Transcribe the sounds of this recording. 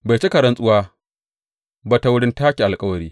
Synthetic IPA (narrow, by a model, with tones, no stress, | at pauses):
ba˨t͡ʃe˦kɐ˨ɾɐ˨nsʼʊ˦waː˦ | baː˦ta˨wʊ˦ɽɪ˦ntaː˦kʲi˨ʔa˨lkʼɐ˦wɐ˨ɾiː˦